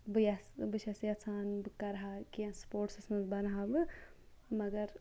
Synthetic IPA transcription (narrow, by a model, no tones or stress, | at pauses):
bɨjasbɨt͡ʃʰɐsjɐt͡sʰaːnbɨkɐɾɦakiãnspoːɾʈsɐsmɐzbɐnɦabɨ | mɐɡɐɾ